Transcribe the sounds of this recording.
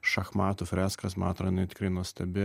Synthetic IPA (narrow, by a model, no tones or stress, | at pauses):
ʃɐxmɑːt̪ʊfʲɾʲæːskɐsmɑːt̪ɾɐɪnʲɐɪt̪ʲɪ̥kɾɐɪnɔsʲt̪ʲɛbʲɪ